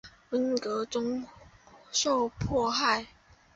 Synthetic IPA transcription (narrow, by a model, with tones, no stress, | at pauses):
wə˨˦nkɤ˧˥t͡sʊ˥ŋ | ʂo˥˧ʊpʰwɔ˥˧xa˥˨ɪ